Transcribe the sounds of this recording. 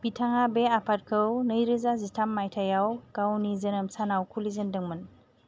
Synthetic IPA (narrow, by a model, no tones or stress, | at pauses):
b̥itʰaŋabeapʰat̚kʰəwnəjɾɯzazistʰamːajtʰajawɡ̥awnizənɯmsanawkʰulizəndɯŋmən